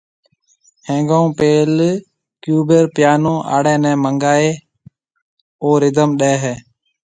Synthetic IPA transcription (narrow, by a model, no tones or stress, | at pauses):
hẽːŋɡõuːpeːl | kjuːbeɾpjaːnõːʔa̰ːɽɛ̃ːnɛ̃ːməŋɡaːeː | oːɾɪd̪əmɗɛːɦɛː